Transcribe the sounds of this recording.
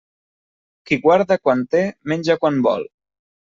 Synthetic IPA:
kiɣwaɾðakwant̪emenʲd͡ʒakwanbɔ̰lˠ

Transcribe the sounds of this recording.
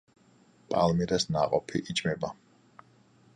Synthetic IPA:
pʼa̰lmiɾɛsnaqʼɔpʰiʔid͡ʒmɛba

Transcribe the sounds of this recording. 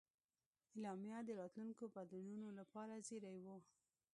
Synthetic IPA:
elɑmjad̪əɾɑt̪luŋkobad̪anunolapɑɾazeɾajwo

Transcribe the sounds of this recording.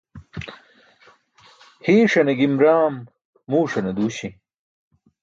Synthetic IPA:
hiːʂɐneɡimɾaːmː | uːʂɐned̪uːɕi

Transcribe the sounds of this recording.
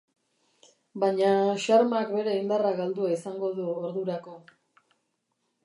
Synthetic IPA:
baɲaʃaɾmakbe̞ɾe̞ind̪araɣald̪uaisaŋɡo̞ðuoɾðuɾako̞

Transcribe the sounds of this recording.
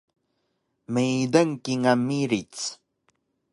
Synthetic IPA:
mejd̪əŋkiŋamiɾit͡s

